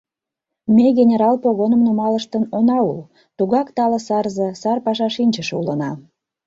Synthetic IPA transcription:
mʲeɣʲenʲeɾɑlpoɣonə̆mnumɑləʃt̪ənonɑul | t̪uɣɑkt̪ɑləsɑrzĕsɑrpɑʃɑʃinʲt͡ɕəʃulənɑ

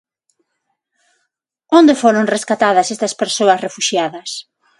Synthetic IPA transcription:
ond̪efoɾoŋreskat̪aðɐsest̪ɐspeɾsoɐsrefuʃjaðɐs

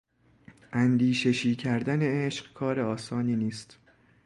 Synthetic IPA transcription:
ʔænd̪iːʃeʃiːcʰæɾd̪æne̞eʃɢkʰɒːɾeɒːsɒːniːniːst̪

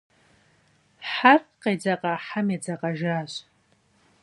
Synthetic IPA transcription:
ħarkqʼejd͡zaqʼaħamad͡zaqʼaʒaɕʷ

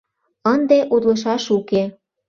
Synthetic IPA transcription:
ənd̪eʔud̪lɤ̆ʃɑʃuke

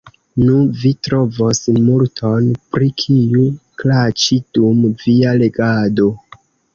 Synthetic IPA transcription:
nuvitɾo̞vo̞smultʰo̞npɾikʰiuklat͡ʃidumviale̞ɡado̞

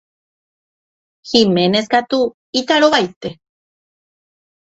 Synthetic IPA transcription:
ximeneskat̪u | it̪aɾoβajt̪e

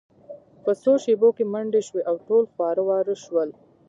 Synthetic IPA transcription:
pəsoʃebokemaɳɖeʃweʔawʈolxwɑɾəwɑɾəʃwəl

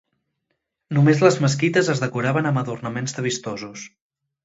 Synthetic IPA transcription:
numezləzməskit̪əzəzðəkuɾaβənəməðurnəmenzðəβ̞ist̪ɔzus

